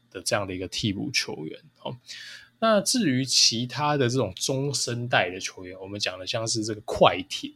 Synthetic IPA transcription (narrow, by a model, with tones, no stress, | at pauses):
d̪̥ə˩ʈ͡ʂɤ˥˧jɑ˥˩ŋd̪ə˩i˧˥ɡə˧t̪ʰi˥˧pṵ˥˩t͡ɕʰjo̰˧˥ʊɥɛ̰˧˦nɔ˨na˥˨ʈ͡ʂɻ̩˥˩y˧˦t͡ɕʰi˧˦t̪ʰa˦d̪ə˨ʈ͡ʂɤ˥˩ʈ͡ʂʊ˨˩ŋt͡sʊ˦ŋʂə˦nt̪a˥˩ɪd̪ə˩t͡ɕʰjo˧˥ʊɥɛ˨˦nwɔ˨˩mə˨˦nt͡ɕjɑ˨˩ŋd̪ə˩˦ɕjɑ˥˧ŋʂɻ̩˥˧ʈ͡ʂə˥˩ɡə˩kʰwa˥˩ɪt̪ʰjɛ˨˦n